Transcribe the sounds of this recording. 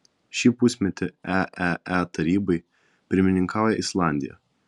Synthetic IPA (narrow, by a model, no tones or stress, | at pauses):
ʃʲiːpʊsʲmʲɛt̪ʲɪæʔæɛt̪ɐɾʲiːbɐɪ | pʲɪɾʲmʲɪnʲɪŋkɑˑʊjɛɪslˠɑˑnʲd̪ʲɪ̰jɛ̰